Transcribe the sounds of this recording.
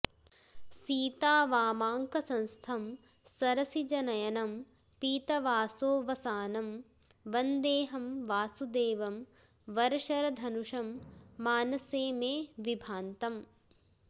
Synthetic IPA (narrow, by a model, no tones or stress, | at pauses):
siːt̪aːʋaːmaːŋkɐsɐ̃nst̪ʰɐm | sɐɾɐsid͡ʒɐnɐjɐnɐm | piːt̪ɐʋaːsoːʋɐsaːnɐm | ʋɐnd̪eːɦɐmʋaːsud̪eːʋɐm | ʋɐɾɐʂɐɾɐd̪ʱɐnuʂɐmːaːnɐseːmeːʋibʱaːnt̪ɐm